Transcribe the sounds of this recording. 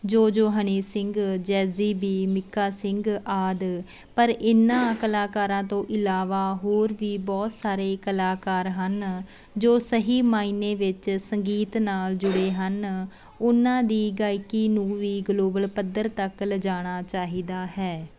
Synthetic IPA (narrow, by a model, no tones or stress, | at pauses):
d͡ʒoːd͡ʒoːɦəniːsɪŋɡd͡ʒɛːziːbiːmɪkːaːsɪŋɡaːd̪ | pəɾɪnãːkəlaːkaːɾãːt̪õːʔɪlaːʋaːɦoːɾʋiːbɔːt̪saːɾeːkəlaːkaːɾɦən | d͡ʒoːsəɦiːmaːiːneːʋɪt͡ʃsəŋɡiːt̪naːld͡ʒʊɽeːɦən | ʊnãːd̪iːɡaːɪkiːnũːʋiːɡloːbəlpəd̪əɾt̪əkləd͡ʒaːɽ̃aːt͡ʃaːɦiːd̪aːɦɛː